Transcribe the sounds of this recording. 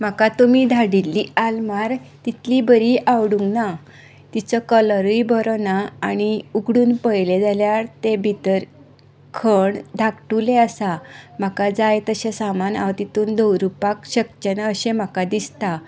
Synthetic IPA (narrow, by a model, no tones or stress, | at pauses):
m̤akat̪umiːd̪ʱaɽilːialmaɾt̪it̪ʰlibəɾiʔawɽuŋɡna | t̪it͡səkələɾujbəɾɔnaːñiuɡɽuːnpəjled͡zaljaɾt̪ebʱit̪əɾ | kʰəɳd̪ʱakʈuleəsam̤akad͡zajt̪əɕesamana̰ʋt̪it̪uːnd̪əwɾupakɕəkt͡ɕənaəɕẽm̤akad̪ist̪a